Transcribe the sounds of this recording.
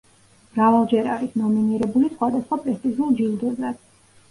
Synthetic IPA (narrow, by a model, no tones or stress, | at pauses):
mɾavalˠd͡ʒɛɾaɾisnɔminiɾɛbulisχwad̪asχwapʼɾɛst̪ʼiʒulˠd͡ʒild̪ɔzad̪̥